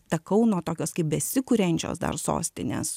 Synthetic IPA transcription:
t̪ɐkɐʊnuɔt̪oːkʲoːskɐɪp̚bʲɛsʲɪkʊɾʲɛnʲt͡ʃʲo̰ːsd̪ɐ̰rso̰ːsʲt̪ʲɪnʲḛs

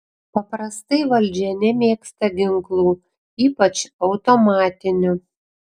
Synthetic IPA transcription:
pɐpɾɐst̪ɐɪʋɐlʲd͡ʒʲɛnʲɛmʲeːkst̪ɐɡʲɪŋklˠuː | iːpɐt͡ʃɐʊt̪omɑːt̪ʲɪnʲʊ

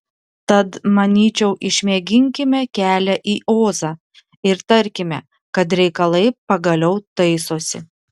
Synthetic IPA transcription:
t̪ɐt̪mɐnʲiːt͡ʃʲɛʊʔɪʃʲmʲiɛɡʲɪŋʲkʲɪmʲɛkʲæːlʲɛʔiːʔoːzɑː | ɪɾt̪ɐɾʲkʲɪmʲɛ | kɐt̪ɾʲɛɪkɐlˠɐɪpɐɡɐlʲɛʊt̪ɐɪsoːsʲɪ̰

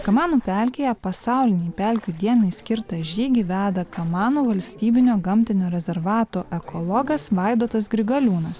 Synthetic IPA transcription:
kɐmɑːnuːpʲæˑlʲkʲejɛpɐsɑˑʊlʲɪnʲɛɪpʲæˑlʲkʲuːd̪ʲiɛnɐɪsʲkʲɪɾt̪ɐʒʲiːɡʲiʋʲæːd̪ɐkɐmɑːnuːʋɐlʲsʲt̪ʲiːbʲɪnʲoːɡɐmʲt̪ʲɪnʲoːɾʲɛzʲɛɾʋɑːt̪oːʔɛkɔlˠɔːɡɐsʋɐɪd̪oːt̪ɐsɡɾʲɪɡɐlʲuːnɐs

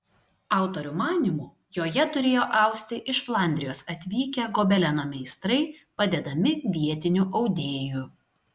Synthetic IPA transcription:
ɑˑʊt̪oɾʲumɑːnʲimuː | joːjɛt̪ʊɾʲeːjoːʔɑˑʊksʲt̪ʲɪʔɪʃflˠɑˑnʲd̪ʲɾʲɪjoːsɐt̪ʲʋʲiːkʲɛɡobʲɛlʲɛnoːmʲɛɪst̪ɾɐɪpɐd̪ʲɛd̪ɐmʲɪʋʲiɛt̪ʲɪnʲuʔɐʊd̪ʲeːju

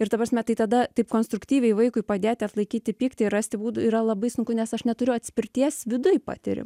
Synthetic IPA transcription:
ɪɾt̪ɐpɾɐːsʲmʲɛt̪ɐɪt̪ɐd̪ɐt̪ɐɪpkoːnst̪ɾʊkt̪ʲiːʋʲɛɪʋɐɪkʊɪpɐd̪ʲeːt̪ʲɪɐt̪lˠɐɪkʲiːt̪ʲɪpʲiːkt̪ʲɪɪrɑːsʲt̪ʲɪbuːd̪ʊiɾɐlˠɐbɐɪsʊŋkʊnʲɛsɐʃnʲɛt̪ʊɾʲʊɐt̪ʲsʲpʲɪɾʲt̪ʲiɛsʋʲɪd̪ʊjpɑ̰ːt̪ʲɪ̰ɾʲɪ̰m

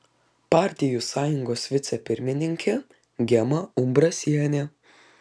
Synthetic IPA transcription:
pɑːˑɾʲt̪ʲɪjusɑːjʊŋɡoːsʋʲɪt̪sʲɛpʲɪɾʲmʲɪnʲɪŋʲkʲɛ | ɡʲɛmɐʊmbɾɐsʲiɛnʲe

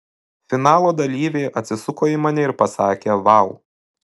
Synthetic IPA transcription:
fʲɪnɑːlˠoːd̪ɐlʲiːʋʲeɪʔɐt̪ʲsʲɪsʊkoːimɐnʲɛɪɾpɐsɑːkʲeːʋɑʊ

